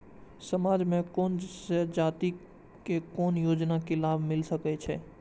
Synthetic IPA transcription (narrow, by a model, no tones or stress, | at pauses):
səmaːd͡ʒmẽkoːnsed͡ʒaːt̪i | kekoːnjoːd͡ʒnakelaːbʱmɪlsəkɛt͡ʃʰɛː